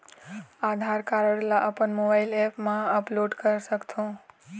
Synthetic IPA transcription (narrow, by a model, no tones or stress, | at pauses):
ad̪ʱaɾkaɾəɽlaʔəpəɳmobaɪlepmãəploɖkəɾsəkt̪ʰõ